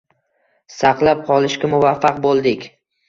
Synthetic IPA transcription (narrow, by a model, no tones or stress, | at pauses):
sɑqlˠap̚qʰɒlˠɪʃkʲamʊvafːaq̚bolˠd̪ɪkʲ